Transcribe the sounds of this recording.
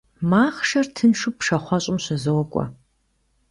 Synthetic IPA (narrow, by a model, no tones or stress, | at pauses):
maːχʂɐrtʰɨnʂɨpʂɐχʷɔɕʼɪmɕɐzowɔkʷʼɔ̰